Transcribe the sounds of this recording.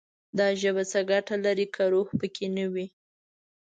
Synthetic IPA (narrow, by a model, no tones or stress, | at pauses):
d̪ɑʒəbat͡səɡaʈalaɾikʰaɾohpəkʰenəwi